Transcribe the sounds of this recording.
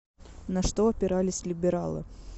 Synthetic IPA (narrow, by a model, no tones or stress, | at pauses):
nɐʂt̪oɐpʲɪɾalʲɪsʲlʲɪbʲɪɾalˠɨ̰